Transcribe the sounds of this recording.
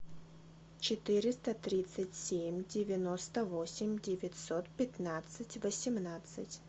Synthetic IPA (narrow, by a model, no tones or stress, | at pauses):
t͡ɕɪt̪ɨɾʲɪst̪ət̪ɾʲit̪sɨtʲsʲemʲdʲɪvʲɪnost̪əvosʲɪmʲdʲɪvʲɪtʲsot̪pʲɪt̪nat̪sɨtʲvəsʲɪmnat̪sɨ̰tʲ